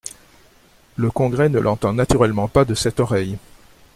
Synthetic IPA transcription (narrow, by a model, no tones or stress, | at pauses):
ləkɔ̃ɡʁɛnəlʔɑ̃t̪ɑ̃nat̪yʁɛlmɑ̃pad̪əsɛt̪ɔʁɛj